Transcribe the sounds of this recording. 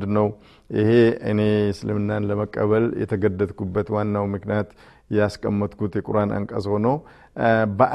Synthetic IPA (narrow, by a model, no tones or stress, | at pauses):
d̪nəw | ʔɪhe̞ɨ̰ne̞sɨlɨmɨnːanləməkʼːəβəljɛ̰t̪ʰəɡəd̪ːət̪ʼkʰubːət̪wanːawmɨknijat̪ | jɛaskʼəmːət̪ʼkut̪jɛkʼuɾanʔə̰ŋkʼəzho̞now | bəʔa